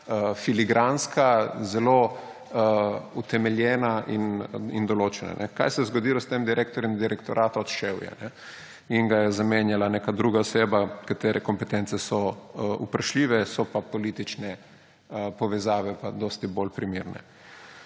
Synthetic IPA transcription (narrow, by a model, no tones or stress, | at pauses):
əfiliɡɾanskazɛlo | ut̪ɛmɛljɛnaʔinind̪ɔloːt͡ʃɛna̰nʔɛka̰jsɛzɡod̪iːlɔst̪emd̪iɾʔek̚t̪ɔɾjɛmd̪iɾɛkt̪ɔɾʔaːt̪aɔt̪ʃewjɛ̰nɛ | inɡajɛzamenjalanekad̪ɾuːɡaɔseːbakat̪eːɾʔɛkɔmpɛt̪ɛnt̪sɛsɔṵpɾaʃliːʋɛsɔpapɔliːt̪it͡ʃnɛ | pɔʋɛzaːʋɛpad̪ɔːst̪ibolpɾimiːɾnɛ̰